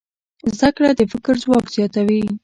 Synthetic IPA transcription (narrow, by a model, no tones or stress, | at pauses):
zd̪akɽad̪əfɪkɾzwɑkz̥jɑt̪awi